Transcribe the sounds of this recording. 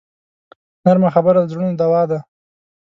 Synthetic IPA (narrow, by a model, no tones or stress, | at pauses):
naɾmaxabaɾad̪zɾunod̪awɑd̪a